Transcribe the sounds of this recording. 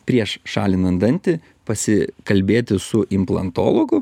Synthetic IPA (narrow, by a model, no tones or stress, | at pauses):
pʲɾʲiɛʃʃɑ̰ːlʲɪnɐnd̪ɐnʲt̪ʲɪ | pɐsʲɪkɐlʲbʲeːt̪ʲɪsʊʔɪmplˠɐ̰nt̪o̰ːlˠoɡʊ